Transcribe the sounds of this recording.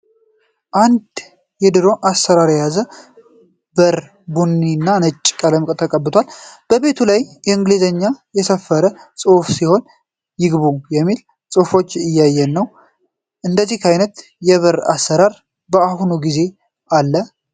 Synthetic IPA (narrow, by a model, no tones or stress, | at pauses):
ʔand̪ | jɛd̪ɨɾo̞ʔasːəɾaɾjɛjazə | bəɾ | bunːinːanət͡ʃʼːkʼələmkʼt̪ʰəkʼəbːɨt̪ʰwalb̥əβe̞t̪ʰulajjɛɨŋɡlizəɲːajɛsəfːəɾəsʼɨhfsiho̞n | jɪɡβujɛmːil | sʼɨhfo̞t͡ʃːɨjːajːɛnːəw | ʔɨnd̪əzːihkajnət̪ | jɛβəɾa̰sːəɾaɾ | bəahunuɡize̞ | ʔalːə